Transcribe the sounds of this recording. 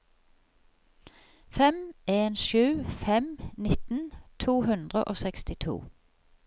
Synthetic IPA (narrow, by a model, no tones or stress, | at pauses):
fɛmeːnʃʉːfɛmnɪt̪n̩t̪ʰuːhʉnd̪ʁəʔoːsɛkst̪ɪt̪ʰṵː